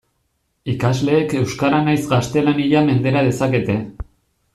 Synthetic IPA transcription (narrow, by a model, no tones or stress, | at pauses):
ikazle̞ːke̞wskaɾanajzɡast̪e̞laniʎame̞nd̪e̞ɾað̞e̞sake̞t̪e̞